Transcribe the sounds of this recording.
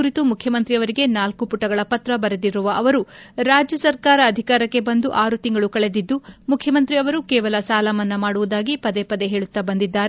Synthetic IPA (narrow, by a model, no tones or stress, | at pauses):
uɾit̪umukʰjɐmɐnt̪ɾiɐʋɐɾiɡe̞naːlkupuʈːɐɡɐɭɐpɐt̪ɾɐbɐɾed̪iɾuʋɐʔɐʋɐɾuɾaːd͡ʒjɐsɐɾkaːɾɐːd̪ʱikaːɾɐkːe̞bɐnd̪uʔaːɾut̪iŋɡɐɭukɐɭe̞d̪id̪ːumukʰjɐmɐnt̪ɾiɐʋɐɾukɛːʋɐlɐsaːlɐmɐnːɐmaːɽuʋud̪aːɡipɐd̪e̞pɐd̪eɦeːɭut̪ːɐbɐnd̪id̪ːaːɾe